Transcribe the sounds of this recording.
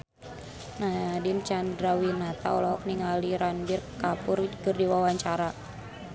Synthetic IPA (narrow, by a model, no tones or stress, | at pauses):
nadint͡ʃandɾawinat̪a̰ɔlɔɦɔk̚niŋaliɾanbirkapʊrkərdiwawaɲt͡ʃaɾa